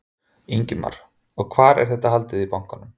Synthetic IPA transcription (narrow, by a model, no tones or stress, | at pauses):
iɲcɪma̰ɾ̥ | ɔɣkʰvaːɾɛ̰ɾ̥θɛht̪aɦalt̪ɪðipawŋ̥kanʏm